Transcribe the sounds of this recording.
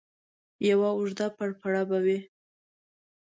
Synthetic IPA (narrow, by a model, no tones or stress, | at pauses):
jawaʊʐd̪apaɽpaɽabawi